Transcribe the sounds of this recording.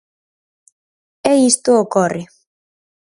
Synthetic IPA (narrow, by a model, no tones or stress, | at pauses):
ɛist̪ookɔri